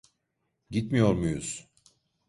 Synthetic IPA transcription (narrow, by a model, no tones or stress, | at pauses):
ɟit̪mijo̞ɾmujuz̥